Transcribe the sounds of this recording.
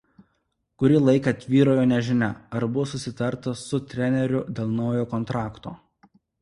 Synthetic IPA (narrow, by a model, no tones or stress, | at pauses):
kʊɾʲɪlˠɐɪkɐt̪ʲʋʲiːɾoːjoːnʲɛʒʲɪnʲɛɐɾbʊʋoːsʊsʲɪt̪ɐɾt̪ɐsʊt̪ʲɾʲɛnʲɛɾʲʊd̪ʲeːlˠnɒʊjoːkɔnt̪ɾɑːkt̪oː